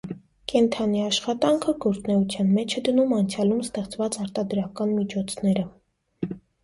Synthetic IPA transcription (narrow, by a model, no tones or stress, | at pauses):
kɛnt̪ʰɑniɑʃχɑt̪ɑŋkʰəɡɔɾt͡snɛut͡sʰjɑnmɛt͡ʃʰɛd̪ənumɑnt͡sʰjɑlumst̪ɛχt͡svɑt͡sɑɾt̪ɑd̪ɾɑkɑnmit͡ʃʰɔt͡sʰnɛɾə